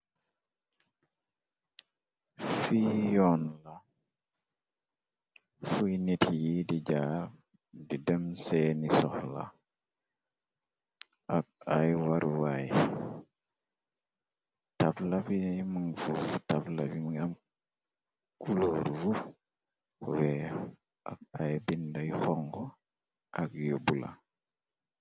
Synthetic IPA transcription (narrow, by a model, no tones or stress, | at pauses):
fijɔnla | fujnitʰijidid͡ʒaɾ | didɛmsɛːnisɔhla̰ | ʔak̚ajwaɾuwaj | tablabijmaŋfuvutablabimam | kuloɾvu | wɛ | ʔa̰k̚ajbindajxɔŋɡɔ | ʔakjobula̰